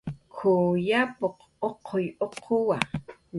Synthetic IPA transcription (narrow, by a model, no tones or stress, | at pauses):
kʰojapoq | oqʰojoqʰowan